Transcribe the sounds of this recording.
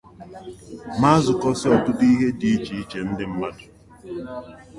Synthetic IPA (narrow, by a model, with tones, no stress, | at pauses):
ma˦zʊ˨kɔ˦sɪ˦ɔ˨tʊ˦di˦ɦe˦di˨i˦t͡ʃi˨i˦t͡ʃe˨n̩˦dɪ˦m̩˦ma˦dʊ˨